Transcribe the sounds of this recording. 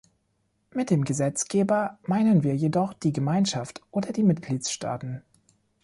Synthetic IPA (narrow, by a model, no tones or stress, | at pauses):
mɪt̚d̥eːmɡəzɛt͡sɡ̥eːbɐmaɪnənviːɐjedɔχd̥iːɡəmaɪnʃaftʔoːdɐdiːmɪtɡ̥liːtsʃta̰ːtn̩